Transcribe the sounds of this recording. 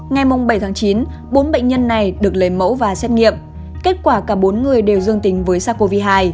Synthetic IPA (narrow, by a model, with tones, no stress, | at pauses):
ŋa˨˩jmʊ˨˩ŋ͡mɓə˧˩jt̪ʰːŋt͡ɕi˨˦n | ɓo˨˦nɓə̰˧˨jŋ̟ɲə˧nːa˨˩jɗɨ˨˩ək̚le˨˦jmə̰˧˥wvaː˨˩sɛ˦˥t̚ŋḭ˧˨əm | ke˦˥t̚kwaː˧˩kaː˧˩ɓo˨˦nŋɨ˨˩əjɗe˨˩wzɨ˧əŋt̪ï˨˦ŋ̟vəː˨˦jsaː˧˩ko˧vi˧ɦaː˧j